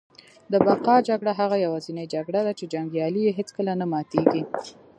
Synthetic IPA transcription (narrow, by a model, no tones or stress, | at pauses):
d̪əbaqɑd͡ʒaɡɽaɦaɣajawɑzinəjd͡ʒaɡɽad̪at͡ʃed͡ʒaŋɡjɑlijeɦet͡skəlanamɑt̪eɡi